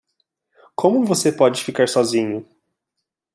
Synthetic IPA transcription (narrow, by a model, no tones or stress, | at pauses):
kʰõmʊvosepɔd͡ʒɪfikaɾsɔzĩɲʊ